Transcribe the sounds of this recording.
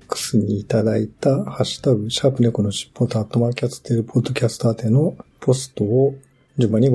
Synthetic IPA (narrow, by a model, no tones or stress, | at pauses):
kɯ̟̥sɨɲ̟iːt̪ad̪ait̪ahaɕi̥t̪abɯ̟ɕaːpɯ̟nekono̞ɕi̥pːot̪aːt̪ːo̞makʲat͡sɨ̥t̪ːeɾɯ̟pʰo̞d̪ːo̞kʲasɨ̥t̪aːt̪e̞no̞pʰo̞sɨ̥t̪o̞ː | d͡ʑɨ̃mbaɲ̟i